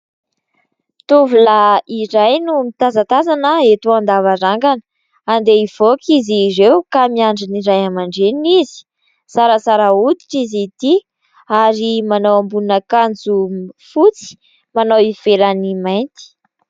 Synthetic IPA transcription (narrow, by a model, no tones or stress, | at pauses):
t̪uvulaiɾajnumit̪azat̪azanəet̪uand̪avaɾaŋɡanə̥ | and̪eiv̥okizirewkamiaɳɖ͡ʐiniɾajamaɳɖ͡ʐenizi̥ | saɾəsaɾəut̪i̥ʈ͡ʂizit̪i | aɾimanawambuunəkand͡zufut͡si̥ | manawiv̥elanimajnt̪i̥